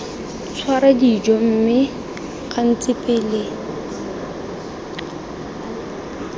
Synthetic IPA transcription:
t͡sʰwaɾadid͡ʒɔm̩mɪ | ɣan̩t͡sɪpʼɪle

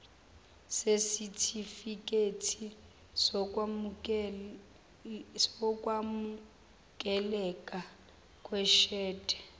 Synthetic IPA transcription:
sesitʰifikʼetʰi | sɔ | sɔkʼwamu | kʼɛlɛkʼa | kʼwɛʃɛːtʼɛ̥

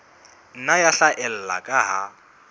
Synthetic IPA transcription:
n̩najaɬaʔɛl̩la̰kʼaɦa

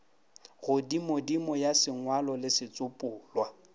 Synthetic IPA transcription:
ɣʊdimodimɔjasɪŋwalɔlɪsɪt͡sʼʊpʼʊːlwa

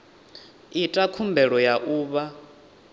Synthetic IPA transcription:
itʼakʰumbʱɛɺɔjaʔuːβa

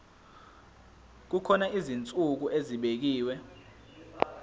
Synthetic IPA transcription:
k̬ukʰɔnaʔizint͡sʼuk̬uʔeziɓek̬iːwɛ

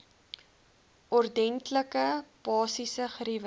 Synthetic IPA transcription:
ʔɔrdɛntləkəpɑːsisəχɾivə

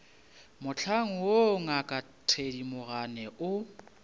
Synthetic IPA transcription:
mʊt͡ɬʰaŋ̩woŋakʼa | tʰedimʊɣanɛʔʊ

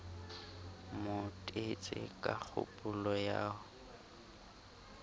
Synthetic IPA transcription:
motʼet͡sʼɪkʼak͡xʰʊ̰pʼulɔjaːʊ

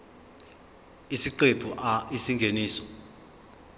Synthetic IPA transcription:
isiǃeb̥ʱuʔaisiŋɡʱeniːsɔ̥

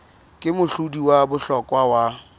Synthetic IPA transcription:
kʼɪmʊɬudiwabʊɬɔkʼwawa

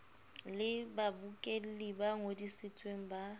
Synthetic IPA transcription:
lɪbabukʼel̩libaŋodisɪt͡sʼweŋ̩ba

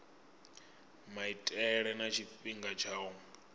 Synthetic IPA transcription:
maitʼɛɺɛnat͡ʃʰiɸʼiŋɡat͡ʃʰaːu

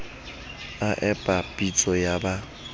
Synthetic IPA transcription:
aʔɛpʼapʼit͡sʼɔjaba

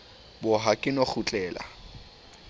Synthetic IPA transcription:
bʊɦakʼɪnok͡xʰʊt͡ɬʼɛːla̰

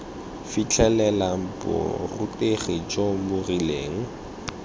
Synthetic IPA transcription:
fit͡ɬʰʼɛlɛlam̩pʼɔ̰rʊtʼeχed͡ʒomʊrileːŋ̩

